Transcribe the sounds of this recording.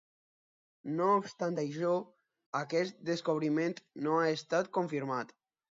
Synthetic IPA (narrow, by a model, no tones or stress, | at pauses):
noːpst̪ant̪ajʃɔ | akɛst̪̚d̪eskoβ̞ɾimẽnt̪noaest̪at̪koɱfiɾmat̪